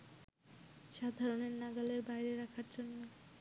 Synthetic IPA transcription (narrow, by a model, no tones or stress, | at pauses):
ʃad̪ʱaɾoneɾnaɡaleɾbajɾeɾakʰaɾd͡ʑonːo